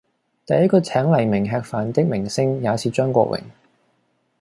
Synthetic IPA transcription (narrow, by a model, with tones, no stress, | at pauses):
t̪ɐ˨˧jɐ˥t̚kɔː˧t͡sʰɛː˨˥ŋlɐ˨˩jmɪ˨˩ŋɦɛː˧k̚faː˨˩nt̪ɪ˥k̚mɪ˨˩ŋsɪ˥ŋjaː˨˧sʰiː˨˩t͡ʃœː˥ŋkʷɔ̰ː˧wɪ̰˨˩ŋ